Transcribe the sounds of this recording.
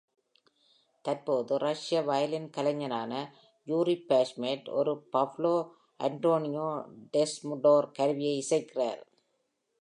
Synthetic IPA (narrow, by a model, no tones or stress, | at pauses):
t̪ɐɾpoːðɯrɐʂɪjɐʋajɐlɪnkɐlɐɲːɐnaːnɐ | juːɾipaːsmeʈɔ̰ɾɯpɐfloː | ʔɐ̰ɳʈoːnɪjoːɖesmʊɖoːɾkɐɾʋɪjɐɪɪsɐɪkːɪra̰ːɾ